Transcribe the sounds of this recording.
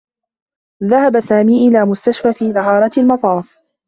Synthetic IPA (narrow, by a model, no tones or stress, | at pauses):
ðahabasaːmiːʔɪlaːmʊst̪aʃfaːfiːðɪɦɑːɾˤɑt̪ɪlmɑt̪ˤɑːf